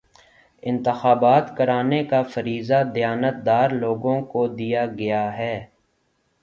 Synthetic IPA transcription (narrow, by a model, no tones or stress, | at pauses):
ɪ̃nt̪ɪxaːbaːt̪kɐɾaːnekafɐɾiːzad̪ɪjaːnət̪̚d̪aːɾloːɡõkod̪ijaɡɐjaɦɛː